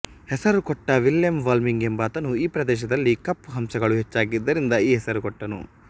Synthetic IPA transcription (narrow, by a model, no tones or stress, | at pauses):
hɛsɐɾukɔʈːɐʋiljɐmʋaːlmiŋɡembɐːt̪ɐnuiːpɾɐd̪ɛːʃ̬ɐd̪ɐlːikɐpːɦɐmsɐɡɐɭuɦɛt͡ʃːaːɡid̪ːɐɾind̪ɐiːɦɛsɐɾukɔʈːɐnṵ